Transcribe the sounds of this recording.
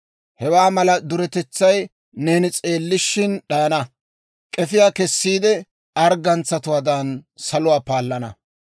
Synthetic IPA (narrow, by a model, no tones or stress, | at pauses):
hɛwaːmɐlɐd̪ʊɾɛt̪ɛt͡sːɐj | neːnɪt͡sʼe̞ːlːɪʃɪnɗɐjɐnɐ | kʼɛfɪjaːkɛsːiːd̪ɛ | ɐɾɡɐnt͡sːɐt̪ʊwaːd̪ɐnsɐlʊwaːpaːlːɐnɐ̰